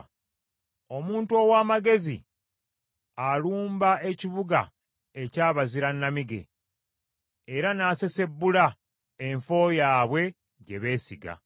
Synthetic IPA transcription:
o̞muːntuo̞waːmaɡe̞zḭ | aluːmbae̞ciβuɡa̰ | ecaːβaziɾanːamiɡe̞̰ | eɾanaːse̞se̞bːula | eɱfo̞ːjaːβwe̞ | ɟe̞βe̞ːsiɡa̰

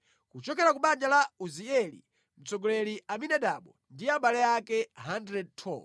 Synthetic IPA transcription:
kut͡ʃɔkɛɾakuɓand͡ʒalauziɛlḭ | m̩t͡sɔɡɔlɛliaminɛɗaɓɔ | ndiaɓalɛjakɛɦandɾɛd̚tʰɔ̰

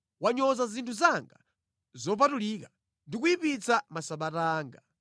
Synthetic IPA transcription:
waɲɔzazintʰuzaŋɡa | zɔp̬atuliːka | ndik̬uipit͡samasaɓataːŋɡa

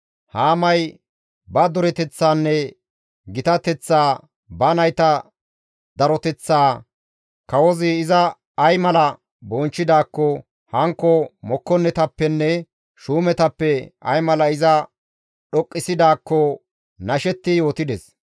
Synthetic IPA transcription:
haːmɐj | bɐd̪ɔɾɛt̪ɛt͡sːaːnːɛ | ɡɪt̪ɐt̪ɛt͡sːaː | bɐnɐjt̪ɐ | d̪ɐɾɔt̪ɛt͡sːaː | kɐwɔzɪːzɐː | jmɐlɐ | bɔnt͡ʃːɪd̪aːkːɔ | hɐŋkːɔmɔkːɔnːɛt̪ɐpːɛnːɛ | ʃuːmɛt̪ɐpːɛɐ̰jmɐlɐɪzɐ | ɗɔkʼːɪsɪd̪aːkːɔ | nɐʃɛt̪ːɪjo̞ːt̪ɪd̪ɛs

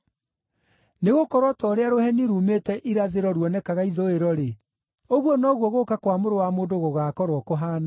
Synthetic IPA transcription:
neɣokɔɾwɔtɔɾeaɾohɛniɾumetɛʔiɾaðeɾɔɾwɔnɛkaɣaiðoeɾɔɾe | oɣwɔnɔɣwɔɣokakwamoɾowamoːndoɣoɣaːkɔɾwɔkoɦaːna

